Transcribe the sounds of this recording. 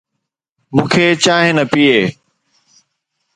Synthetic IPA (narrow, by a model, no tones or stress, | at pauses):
mũːkʰeːt͡ɕaːɦɪnɐpieː